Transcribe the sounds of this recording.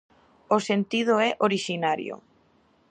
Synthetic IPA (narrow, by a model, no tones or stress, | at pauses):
osent̪ið̞oɛʔoɾiʃinaɾjo̰